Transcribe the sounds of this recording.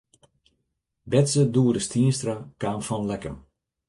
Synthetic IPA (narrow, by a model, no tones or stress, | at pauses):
bɛtsəduədəstiənstrakaːnfɔnlɛkəm